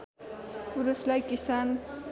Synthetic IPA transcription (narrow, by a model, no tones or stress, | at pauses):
puɾuslajkisan